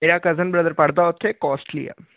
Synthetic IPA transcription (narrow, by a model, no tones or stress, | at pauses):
eːɾakɐzənbɾɐd̪əɾpɐɽd̪aʊt̪ʰːekɔːsʈlḭja̰ː